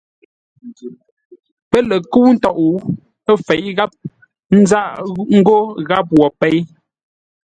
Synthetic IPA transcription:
pə˦le˨ku˦n̩˦tɔ˦˨ʔu˨˦ | ə˦fɛ˨ʔɣa˦p̚ | n̩˦za˦ʔŋ̩˦ɡo˦ɣa˦p̚wɔ˨pɛ˦˨j

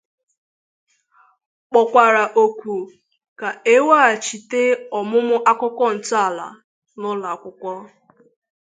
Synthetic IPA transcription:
k͡pɔ˨kʷa˨ɾa˨ʔo˨kʷu˨ | ka˨e˦wa˦a˨t͡ʃi˨te˦ɔ˨mʊ˦mʊ˦ʔa˦kɔ˦kɔ˦n̩˨ta˨la̰˨ | nʊ˦la˨kʷʊ˦kʷɔ˦

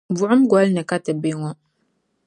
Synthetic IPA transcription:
vu˨ʔə˦mɡʷɔ˨˦lnə˨ka˦tə˨be˦ŋɔ˦

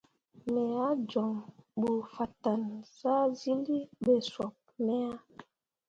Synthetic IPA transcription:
mɛ˨a˦d͡ʒɔ˨ŋɓu˨fa˨ta˨nsa˦zi˦li˦ɓɛ˨swɔ˨p̚nɛ˦a˦

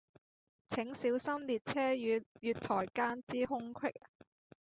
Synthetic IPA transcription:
t͡sʰɪ˨˥ŋsiː˨˥wsɐ˥mliː˨t̚t͡sʰɛː˥jyː˨˧jyː˨t̪ʰɔː˨˩jkaː˥nt͡siː˥ɦʊ˥ŋkʰwɪ˥k̚

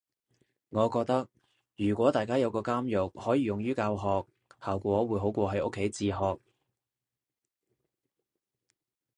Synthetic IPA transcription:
ŋɔː˨˧kɔː˧k̚t̪ɐ˥k̚ | jyː˨˩kʷɔː˨˥t̪aː˨jkaː˥jɐ˨˧wkɔː˧kaː˥mjʊ˨k̚hɔː˨˥jiː˨˧jʊ˨˩ŋjyː˥kaː˧wɦɔː˨k̚ | haː˨˩wkʷɔː˨˥wuː˨˥jɦo˨˥wkʷɔː˧ɦɐ˨˥jʔʊ˥kʰːe˨˥jt͡siː˧ɦɔː˨k̚

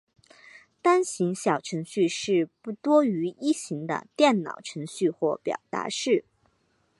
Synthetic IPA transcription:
t̪a˥nɕi˧˥ŋɕjɑ˨˩ʊʈ͡ʂʰɤ˧˥ŋɕy˥˧ʂɻ̩˥˧pu˥˩t̪wɔ˥y˧˥i˥˩ɕi˧˥ŋd̪ə̰˧t̪jɛ˥˩nnɑ̰˨˩ʊʈ͡ʂʰɤ˧˥ŋɕy˥˧xwɔ˥˩pjɑ̰˨˩ʊt̪a̰˧˥ʂɻ̩˥˩

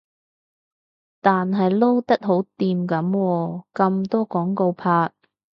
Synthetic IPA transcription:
t̪aː˨nɦɐ˨jlo˥wt̪ɐ˥t̚ɦo˨˥wt̪iː˨˧mkɐ˨˥mwɔː˧kɐ˧mt̪ɔː˥kɔː˨˥ŋko˧wpʰaː˧t̚

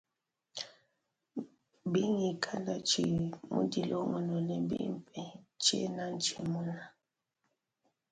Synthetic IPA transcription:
bi˦ŋi˨kʰa˦nda˨t͡ʃi˨mṵ˦di˨lʔɔ˦ŋɔ˨nɔ˨lɛ˨bḭ˦˨pɛ˨t͡ʃɛ̰˦na˦n˦t͡ʃi˨mu˦na˨

